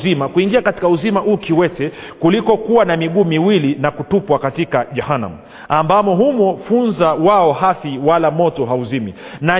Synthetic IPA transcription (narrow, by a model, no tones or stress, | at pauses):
zimakuiŋɡiakati̥kauzimaʔukiwɛtɛ | kulikɔkuwanamiɠuːmiwilinakutupwakatikaʄahana̰mu | ambamɔɦumɔfunzawaɔhaθiwalamɔtɔɦauzimḭna